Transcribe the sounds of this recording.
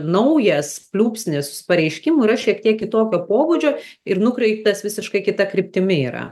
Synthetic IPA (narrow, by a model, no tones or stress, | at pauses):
nɐʊjɛspʲlʲuːpʲsʲnʲɪspɐɾʲɛɪʃʲkʲɪmuiːɾɐʃʲiɛkt̪ʲiɛkʲɪt̪oːkʲoːpoːbʊd͡ʒʲoːɪrnʊkɾʲɛɪpt̪ɐsʋʲɪsʲɪʃkɐɪkʲɪt̪ɐkɾʲɪp̚ʲt̪ʲɪmʲɪiːɾɐ̰